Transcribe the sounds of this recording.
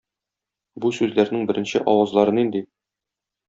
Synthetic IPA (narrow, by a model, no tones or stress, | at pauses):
busʉzlæɾnɘŋbɘ̆ɾɘ̆nɕɘʔɒwɑzlˠɑɾɤnind̪i